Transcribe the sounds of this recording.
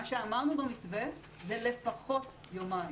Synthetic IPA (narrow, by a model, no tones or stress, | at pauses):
aʃe̞amaʁnubemitve | zele̞faχo̞tjomai